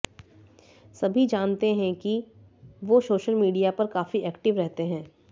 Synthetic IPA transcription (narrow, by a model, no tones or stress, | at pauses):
sɐbʱid͡ʒaːnt̪eɦɛ̃ki | ʋosoːʃəlmiːɖijapɐɾkaːfiɛːkʈɪʋɾɛɦt̪eɦɛ̃ː